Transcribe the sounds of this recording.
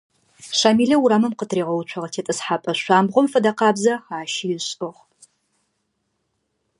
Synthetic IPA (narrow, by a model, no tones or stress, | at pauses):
ɕaːmiːɮɐwuɾaːmɐmqətʰreːʁɐwt͡ʃʷʰɐʁɐtʰeːtʼɨsħaːpʼɐɕʷaːmbʁʷɔmfɐdɐqɑːbzɐxaːʃijɪɕʼɨʁ